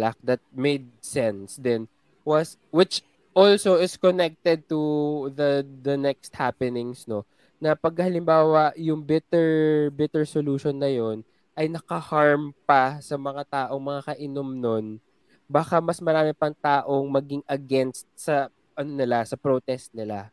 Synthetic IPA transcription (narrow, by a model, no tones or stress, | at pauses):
lak̚d̪ɐt̪̚mejd̪̚sɛnsd̪ɛn | wɐs | wɪt͡ʃ | ʔolsoɪskonɛk̚t̪ɛd̪̚t̪uðɐd̪ɐnɛkst̪̚hapɛnɪŋsno̞ | nɐpɐɡ̚ɐhɐlɪmbaːwɐʔjʊŋbɪt̪ɛɹbɪt̪ɛɹsoluːʃonːɐjo̞n | ʔɐjnɐkɐhaɹmpɐsɐmɐŋat̪aːʔo̞ŋmɐŋakɐʔɪnomnon | baːkamɐsmɐɾaːmɪpɐŋt̪aːʔo̞ŋmɐɡɪŋɐɡɛnst̪̚sɐ | ʔɐnonɪlasɐpɾot̪ɛst̪̚nɪla